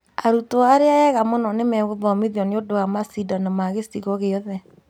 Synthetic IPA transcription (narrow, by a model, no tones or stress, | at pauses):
aɾutoaɾeaɛɣamonɔnemɛɣoðɔmiðiɔniodoamasidɔnɔmaɣestiɣɔɣeɔðɛ